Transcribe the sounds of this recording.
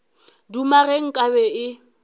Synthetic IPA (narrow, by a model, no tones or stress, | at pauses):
dumaɣeŋ̩kʼabɛɪ